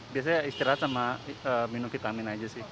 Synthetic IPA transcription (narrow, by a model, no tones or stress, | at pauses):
bias̬aaist̪iɾaɦt̪samaəminʊmfit̪aminad͡ʒasɪh